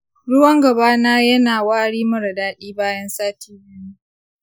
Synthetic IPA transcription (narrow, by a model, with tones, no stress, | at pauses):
ɽʊ˦wɐ˦ŋɡɐ˨baː˦naː˦jɐ˦naː˨waː˦ɽiː˦mɐ˦ɾɐ˨daː˦ɗiː˦baː˦jɐ˦nsaː˦tʰiː˦bɪ˦niː˦